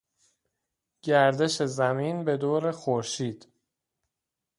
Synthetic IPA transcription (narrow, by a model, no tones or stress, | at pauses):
ɟ̥æɾd̪e̞ʃe̞zæmiːnbe̞d̪oːɾexoɾʃiːd̪̥